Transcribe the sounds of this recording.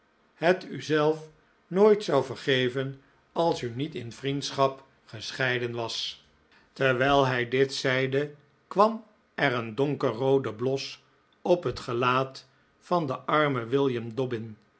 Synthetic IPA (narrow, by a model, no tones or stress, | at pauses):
hətyzɛlˠf | noːjtsɑwvəɹχejvən | ɑlˠsynitɪnvrintsχɑp | χəsχɛjdənʋɑs | təɹʋɛjlˠɦɛjdɪtsɛjdə | kʋɑm | ɛrəndɔŋkərowdəblɔs | ɔpɦətχəlaːt | fɑndəʔɑɹməʋɪlˠjəmdɔbɪn